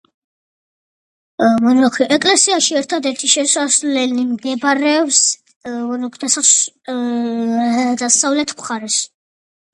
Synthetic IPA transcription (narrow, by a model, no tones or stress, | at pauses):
nɔkʰiʔɛkʼlɛsiaʃiɛɾt̪ʰad̪ɛɾt̪ʰiʃɛsaslɛnimɡ̪ɛbɾɛbs | nɔkʰd̪asas | d̪asavlɛt̪ʰkʰʼχaɾɛs